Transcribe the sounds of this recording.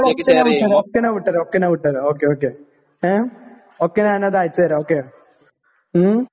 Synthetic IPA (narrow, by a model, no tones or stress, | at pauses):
ɭoenaʋiʈːɐɾoːkːenaʋiʈːɐɾoːkːenaʋiʈːɐɾoːkːeoːkːe | e | oːkːenaːnɐðaːjit͡ɕːɐɐɾɐoːkːe